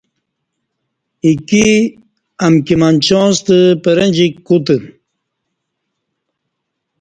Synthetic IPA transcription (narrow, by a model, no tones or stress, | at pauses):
iki | ɐmkimant͡ɕõːst̪əpəɾenʲd͡ʑikːut̪ə